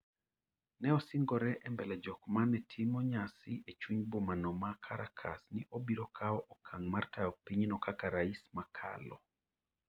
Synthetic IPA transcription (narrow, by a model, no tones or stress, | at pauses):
nɛɔsɪŋɡɔɾɛʔɛmbɛlɛd͡ʒɔkmanɛtʰimɔɲasɪʔet͡ʃuɲbomanɔmakʰaɾakʰasnɪʔobiɾɔkʰaɔʔɔkʰaŋmartaɔpiɲnɔkakaɾaismakʰa̰lɔ̰